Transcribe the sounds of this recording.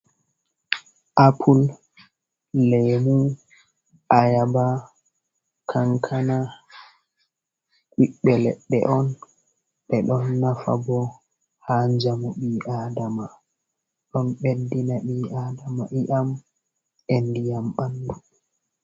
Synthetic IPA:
ʔapʰul | ɛmu | ʔajaba | kʰaŋkʰana | kiɓːɛlɛ̰ɓɛ̰ʔɔn | ɓɛɗɔnːafa̰bɔ | haɲd͡ʒamɔɓiːʔadama | ɗɔnɓedːinaɓiʔaːdama̰ʔiʔam | endijamɓandu

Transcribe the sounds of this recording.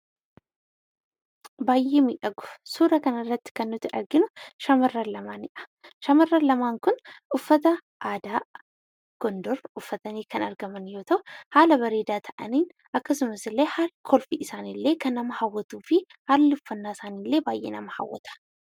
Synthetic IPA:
baːjʔeːmiːᶑɐɡʊ̥suːɾɐkɐnɐrːɐt̪ːɪ̥kɐnːʊt̪ɪʔɐɾɡɪnʊʃɐmɐrːɐlɐmaːnɪᶑɐ̥ | ʃɐmɐrːɐlɐmaːŋkʊnʊfːɐt̪ɐ | ʔaːd̪aː | ɡ̥ɔnd̪ɔɾʊfːɐt̪ɐniːkɐnɐɾɡɐmɐnjo̞ːt̪ʰɐʔʊhaːlɐbɐɾe̞ːd̪aːt̪ʰɐʔɐniːn | ʔɐkːɐsʊmɐsɪlːe̞ːhaːlkʰɔlfiʔɪsaːnilːe̞ːkɐnːɐmɐhawːɐt̪uːfɪ | haːlːɪʊfːɐnːaːɪsaːniːlːe̞ːbaːjʔḛːnɐmɐha̰wːɐ̰t̪ʰɐ̥

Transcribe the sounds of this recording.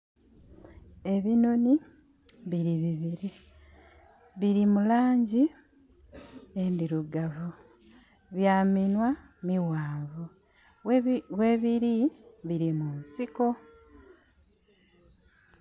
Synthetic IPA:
e̞βino̞ni | βiɾiβiβiɾi | βiɾimulaːɲɟi | endiɾuɡavu | βjaːminwa | miwaːvu | we̞βiɾiβiɾimunsiko̞

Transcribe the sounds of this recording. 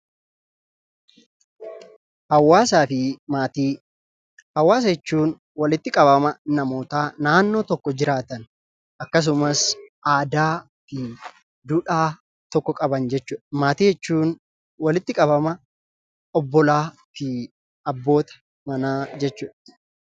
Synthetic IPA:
hɐwːaːsaːfɪmaːt̪iː | hɐwːaːs̬ɐɛt͡ʃːuːn | wɐlɪt̪ːɪkʼɐβɐmɐnɐmo̞ːt̪aːnaːnːo̞ːt̪ɔkːɔd͡ʒɪɾaːt̪ɐn | ʔɐkːɐs̬ʊmɐsʔaːd̪aː | fɪ | d̪uːᶑaː | t̪ɔkːɔkʼɐbɐnd͡ʒɛt͡ʃːuːᶑɐmaːt̪iːhɛt͡ʃːuːn | wɐlɪt̪ːɪkʼɐβɐmɐ | ɔbːɔlaː | fɪ | ɐbːo̞ːt̪ɐ̥ | mɐnaːd͡ʒɛt͡ʃːuːᶑɐ̥

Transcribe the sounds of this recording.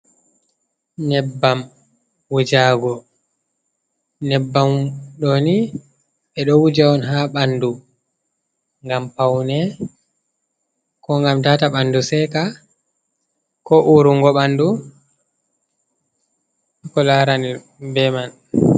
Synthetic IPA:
nɛbːam | wud͡ʒaːɡɔ | nɛbːamɗɔni | ɓɛɗɔwud͡ʒawɔnɦaɓandu | ŋɡampawnɛ | kɔŋɡamtaːtaɓandusɛka | kɔʔuɾuŋɡɔɓandu | kɔlaɾani | bɛman

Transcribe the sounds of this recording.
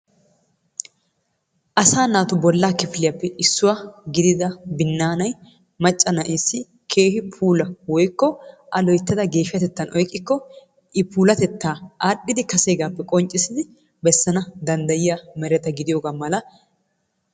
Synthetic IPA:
ʔɐsaːnaːt̪ʊbɔlːaːkɪfɪlɪjɐpːɛɪsːʊwaɡɪd̪ɪd̪ɐbɪnːaːnɐj | mɐt͡ʃʼːɐnɐʔeːsːɪ | kʰe̞ːhɪpʰuːlɐwɔjkːɔʔɐlɔjt̪ːɐd̪ɐɡe̞ːʃɪjɐt̪ɛt̪ːɐnʔɔjkʼːɪkːɔ | ʔɪpʰuːlɐt̪ɛt̪ːaːaːɗːɪd̪ɪkɐseːɡaːpːɛkʼɔnt͡ʃʼːɪsɪd̪ɪ | bɛsːɐnɐd̪ɐnd̪ɐjɪjamɛɾɛt̪ɐɡɪd̪ɪjo̞ːɡaːmɐlɐ

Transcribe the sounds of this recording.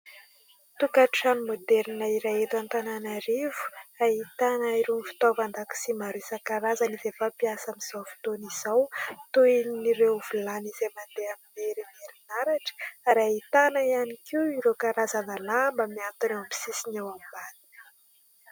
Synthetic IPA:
t̪ukaʈ͡ʂanimod̪ɛɾninaiɾajet̪ant̪ananaɾivu̥aɦit̪anaiɾunfi̥t̪ovand̪aku̥simaɾesakaɾazanizefapiasamiz̥awfi̥t̪oniz̥awt̪uiniɾevulanizemand̪eamineɾineɾinaɾaʈ͡ʂə̥aɾaɦit̪anaianikiwiɾokaɾazanalambəmiant̪unewampi̥sisinewambani̥

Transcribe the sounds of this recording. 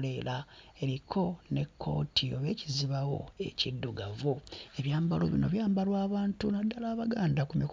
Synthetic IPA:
le̞lae̞ɾikʰo̞ne̞kʰːo̞̰ːtʰioβe̞ːciziβawo̞̰e̞cidːuɡavoe̞βjaːmbalo̰βino̞̰βjaːmbalwaːβaːntunadːalaːβaɡaːndakumik

